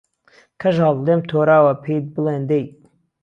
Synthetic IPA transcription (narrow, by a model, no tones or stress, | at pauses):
kʰɐʒɑlleːmt̪ʰoːɾaːwɐpʰeːt̪̚bɨleːnd̪ej